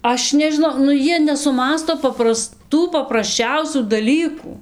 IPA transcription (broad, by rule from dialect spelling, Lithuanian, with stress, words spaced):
ˈɐʃ nʲɛʒʲɪˈnɐʊ nʊ ˈjiɛ nʲɛsʊˈmɑːstoː pɐprɐˈstuː pɐprɐsʲˈt͡ʃʲɛʊsʲuː dɐˈlʲiːkuː